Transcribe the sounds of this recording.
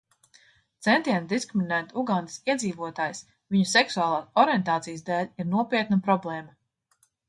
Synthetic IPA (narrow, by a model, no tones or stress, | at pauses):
t̪sɛnt̪iɛnd̪iskɾiminæːt̪uɡand̪isiɛd̪ziːvuɔt̪aːjs | viɲusɛksuaːlˠaːsɔɾiɛnt̪aːt̪sijsd̪ɛːlʲiɾnuɔpʲiɛt̪napɾɔblˠɛːma